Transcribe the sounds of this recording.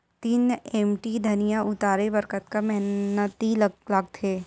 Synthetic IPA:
t̪iːneːmʈid̪ʱɐnijaʔʊt̪aːɾebəɾkət̪kamɛɦnət̪illaɡ̚t̪ʰeː

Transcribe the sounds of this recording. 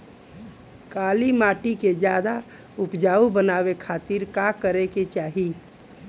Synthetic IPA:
kaːlimaːʈiked͡ʒjaːd̪a | ʊpd͡ʒaːubənaːwekʰaːt̪iɾkakəɾeket͡ʃaːɦi

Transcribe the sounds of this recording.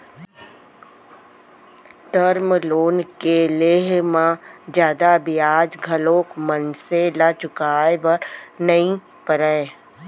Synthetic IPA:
ʈəɾmloːnkeleːɦmãd͡ʒjaːd̪abiaːd͡ʒɡʱəloːkmənselaːt͡ʃʊkaːebəɾnəĩ | pəɾɛe

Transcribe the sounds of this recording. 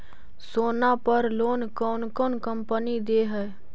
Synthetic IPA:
soːnapəɾloːnkɔːnkɔːnkəmpənid̪eːɦɛː

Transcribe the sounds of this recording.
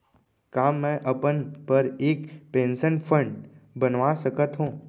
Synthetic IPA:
kaːmɛ̃ːʔəpənpəɾeːkpẽːnsənpʰɾə̃ɳɖbənʋasəkət̪ɦũː

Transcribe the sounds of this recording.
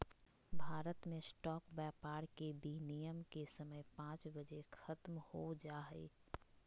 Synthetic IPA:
bʱaːɾət̪mẽsʈɔːkbɛːpaːɾkebiːnijəmkesəməjpãːt͡ʃbəd͡ʒekʰɐt̪mhod͡ʒaːḛː

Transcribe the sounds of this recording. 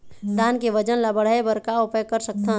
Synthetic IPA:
d̪aːnkeʋəd͡ʒənlabəɽ̤aebəɾkaʊpjkəɾsək̚t̪ʰã

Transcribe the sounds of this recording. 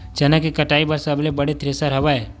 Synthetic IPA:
d͡ʒɐnakikɐʈaːibɐɾsɐblebɐɽet̪ɾesaɾɐʋae

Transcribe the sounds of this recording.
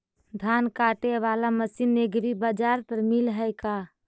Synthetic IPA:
d̪ʱaːnkaːʈeʋaːlaməsinːeɡɾibad͡ʒaːɾpəɾmilɦəjka

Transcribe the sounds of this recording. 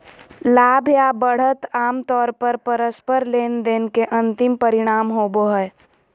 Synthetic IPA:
laːbʱjabəɽ̤ət̪aːmt̪ɔːɾpəɾpəɾəspəɾleːnd̪eːnkeʔə̃nt̪ɪmpəɾɪɽ̃aːmɦoːboɦɛː

